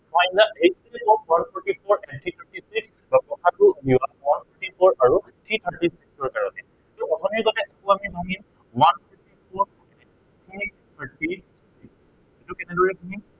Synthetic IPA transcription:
fʰajnd̪aejsɛɛtɔwanpʰɔtifʰɔɹɛntʰitʰətisiks | bapɔkʰatubiwawanpʰɔtipɔɹaɹutʰɹitʰəʈisiksɔɹkaɹɔnɛ | tɔpɔtʰɔnikɔtɛtʰakʊamibʱaŋim | wanpʰɔɹtipʰɔɹɔkɛnɛ | tʰɹi | tʰaɹti | siks | itukɛnɛdɔɹɛbʱaŋim

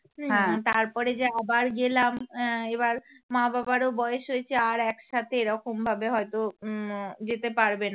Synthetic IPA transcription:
ɦɛ̃t̪aɾpɔɾed͡ʑeabaɾɡelamebaɾ | mãbabaɾobɔjeʃɦojet͡ɕʰeaɾɛkʃat̪ʰeeɾɔkombʱabeɦɔjt̪o | d͡ʑet̪epaɾbena

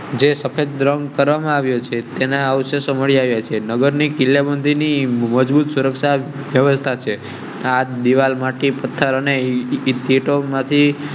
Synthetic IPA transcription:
d͡ʒesəpʰed͡ʒ̚d̪ɾəŋkəɾʋamãaʋjot͡ʃʰet̪enaəʋʃesoməɭiaʋjat͡ʃʰenəɡəɾnikilːjabənd̪iniməd͡ʒbut̪suɾəkʃa | ʋjəʋəst̪ʰat͡ʃʰe | ad̪iʋalmaʈipət̪ʰːəɾəneːt̪eʈomãt̪ʰi

